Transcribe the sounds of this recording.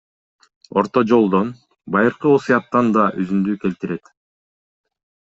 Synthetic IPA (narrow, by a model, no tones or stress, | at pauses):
o̞̰ɾt̪od͡ʒo̞lˠd̪on | bɑjɯɾqɯosɨjɑp̚t̪ːɑnd̪ɑʔyzymd̪yke̞lt̪iɾe̞t̪